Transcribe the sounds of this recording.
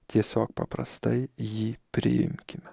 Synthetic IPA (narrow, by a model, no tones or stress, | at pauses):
t̪ʲʰesɒk̚pʰɐpɾɐ̰st̪ajjipɾʲɪ̰jɪ̰mkʲʰɪm